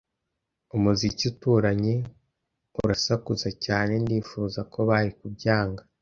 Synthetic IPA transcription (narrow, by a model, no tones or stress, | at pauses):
umuzicutuːɾaɲe̞ | uɾasakuzacaːne̞ndiːfuːzako̞βaɾikubjaːŋɡa